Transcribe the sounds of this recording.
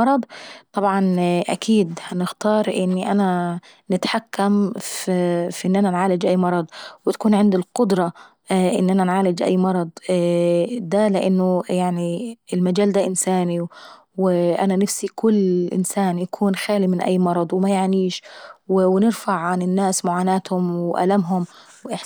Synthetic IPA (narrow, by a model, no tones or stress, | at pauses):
ɑɾˤɑd̪ˤt̪ˤɑbʕɑnʔa̰kʰiːd̪hanɪxt̪ɑːɾˤʔɪnːiʔana | nɪt̪ħakːam | fʔɪnːʔananʕaːlɪd͡ʒʔajːmɑɾˤɑd̪ˤwɪt̪ḁkuːnʕɪnd̪ɪlqʊd̪ɾˤɑ | ʔɪ̰nːʔananʕaːlɪd͡ʒʔa̰jːmɑɾˤɑd̪ˤ | d̪alɪʔanːʊjaʕniɪlmad͡ʒaːld̪aʔɪnsaːni | wɪʔananafsikʊlːʔɪ̰nsaːnjakʰuːnxaːlimɪnʔa̰jːmɑɾˤɑd̪ˤwɪmajaʕniːʃwɪwɪnɪɾfaʕʕanɪnːaːsmʊʕaːnaːt̪hʊmwɪʔa̰lamɦʊm | wʔɪħ